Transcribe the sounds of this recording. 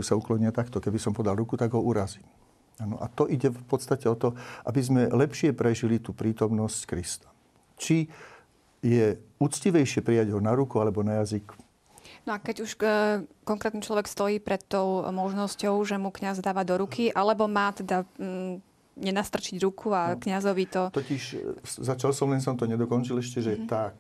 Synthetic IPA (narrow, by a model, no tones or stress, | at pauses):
usauklɔɲɪat̪akt̪ɔkɛbisɔmpɔd̪alɾukut̪aɡɦɔuɾaziː | aːnɔ̰ʔa̰t̪ɔʔiɟɛfpɔt̪st̪acɛɔt̪ɔʔa̰bizmɛlɛpʃɪɛpɾɛʒilit̪uːpɾiːt̪ɔmnɔsckɾist̪ḁ | t͡ʃi | jɛut͡sciʋɛjʃɪɛpɾijaɟɦɔnaɾukualɛbɔnajazik | nɔakɛɟuʃkɔŋkɾɛːt̪nit͡ʃlɔʋɛkst̪ɔjiːpɾɛt̪ːɔʊmɔʒnɔscɔʊʒɛmukɲazd̪aːʋad̪ɔɾukʰiʔalɛbɔmaːt̪ɛd̪a | ɲɛnast̪r̩t͡ʃiɟɾukʰuakɲazɔʋit̪ɔt̪ɔciʃzat͡ʃalsɔmɛnsɔmt̪ɔɲɛd̪ɔkɔnt͡ʃilɛʃcɛʒɛɛt̪ak